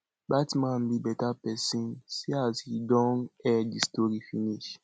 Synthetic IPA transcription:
batmãnbibɛtapɛsĩnsiazhidɔ̃nɛdistoɾifiniʃ

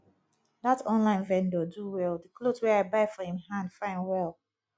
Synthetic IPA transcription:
datʰɔ̃nlãɪ̃nvɛ̃ndoduwɛldəkloswɛaɪbaɪfɔhĩmhãndfãɪ̃nwɛlˠ

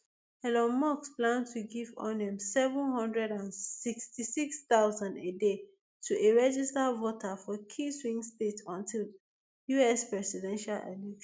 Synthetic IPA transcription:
ɛlɔ̃nmɔksplãntʰuɡivɔ̰nɛ̃msɛvə̃nhʌ̃ndɹɛdãnsikstisiksθaʊzãnede | tʰuʔeɹɛd͡ʒistavotʰafɔkʰiswĩŋstetɔ̃ntʰil | juɛspɹɛsidɛ̃nʃalḛlɛkʃ

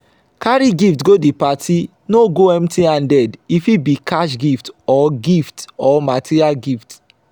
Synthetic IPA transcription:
kaɾiɡiftɡodipatʰi | noɡoɛ̃mtiãndɛdifibikʰaʃɡiftɔɡiftɔmatʰiɾialɡift

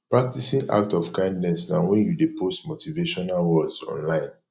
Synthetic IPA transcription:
pɹak̚tisĩna̰k̚tɔfkãɪ̃ndnɛsnãwɛ̃njudepʰostmotʰiveʃɔnalwɔdsɔ̰̃nlãɪ̃n

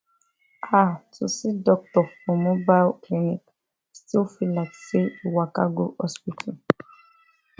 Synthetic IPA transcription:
atʰusidɔk̚tɔfɔ̃mobalklinik | stilfilaɪkseuwaka̰ɡohɔspitʰal

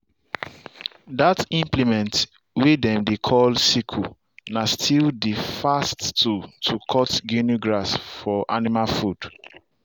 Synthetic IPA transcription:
datĩmplimɛ̃nt | wedɛ̃mdekʰɔlsikʰu | nastʰildifasttutʰukʰɔtɡinuɡɹasfɔʔanimalfud̥

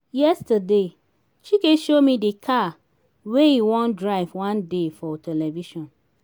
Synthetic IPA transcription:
jɛstəde | t͡ʃikeʃomidekʰa | wejiwɔ̃ndɹaɪvwãndefɔtʰɛlɛviʃɔ̃n

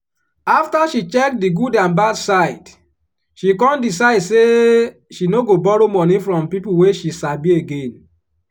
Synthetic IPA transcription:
aftaʃit͡ʃɛk̚diɡudãnbadsaɪd̥ | ʃikɔ̃ndis̬aɪdse | ʃinoɡobɔɹomɔnĩfɹɔ̃mpipuweʃisabieɡẽn

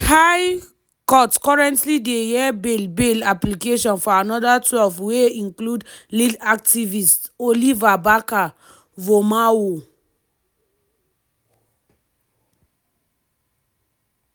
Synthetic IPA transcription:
haj | kɔtkɔɹɛ̃ntlidejɛbelbelaplikeʃɔ̃nfɔanɔdatwɛlfweĩnkludliak̚tivist | olivabaka | vomawo

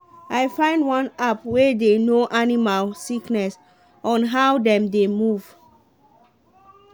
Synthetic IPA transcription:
ajfãɪ̃ndwãnapwedenoʔanimalsiknɛs | ɔ̃nɦawdɛ̃mdemuv̥

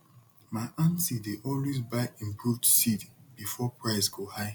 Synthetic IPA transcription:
maɪʔãnsideʔɔlwezbaɪĩmpʰuvdsidb̥ifɔpɹaɪsɡohaɪ

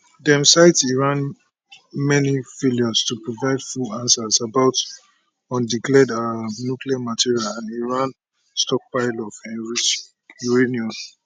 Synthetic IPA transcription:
dɛ̃msaɪtsiɹãn | mɛnifeliɔstupɹɔvaɪdfuãnsasabaʊt | ɔ̃ndiklɛdanukliamatʰiɹialãniɹãn | stɔk̚paɪlɔfɛ̃nɹit͡ʃ | uɹeniɔ̃n

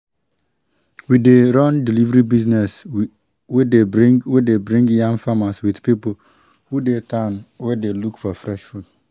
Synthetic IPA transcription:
wideɾãndilivɾibiznɛs | wedewedebɹĩŋɡjãŋfamaswidpipol̩ | hudetʰanwɛdelukfɔfɹɛʃfud

